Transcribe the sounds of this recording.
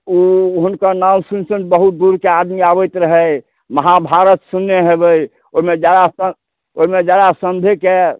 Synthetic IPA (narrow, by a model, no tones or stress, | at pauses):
uɦunkəɾnamsunsənbəɦut̪̚d̪uɾkead̪miabəjt̪ɾəɦəj | məɦabʱaɾət̪sunːeɦebəj | oɦimed͡ʒad̪asə | oɦimed͡ʒad̪asəmb̪ʱeke